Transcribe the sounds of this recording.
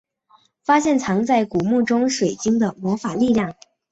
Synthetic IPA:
fa˥ɕjɛ˥˩nt͡sʰɑ˧˥ŋt͡sa˥˩ɪku˨˩mu˥˩ʈ͡ʂʊ˥ŋʂwe˨˩ɪt͡ɕi˥ŋd̪ə˨mwɔ˧˥fa˨˩li˥˧ljɑ˥˩ŋ

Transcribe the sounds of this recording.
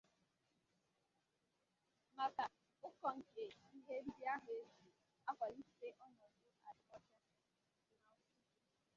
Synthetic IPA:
ma˨ka˨ | ʊ˦kɔ˨ŋ̩˨ke˨i˦ɦe˦ɾ̩˦bi˦a˦ɦe˨˦zi˨ | a˦ka˨li˦˨te˦ʔɔ˦nɔ˨dʊ˦a˨ɾɪ˨kɔ˦t͡ʃɛ˦˨˦na˦kʊ˦

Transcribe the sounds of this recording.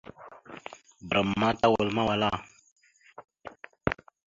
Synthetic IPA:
bɾa˨mːa˦ta˦wa˨lma˦wa˨la˦˨

